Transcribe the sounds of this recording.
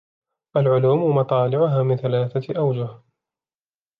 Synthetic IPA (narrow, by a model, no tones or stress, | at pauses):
ʔalʕʊluːmmɑt̪ˤɑːlɪʕʊɦaːmɪnθalaːθaʔawd͡ʒʊh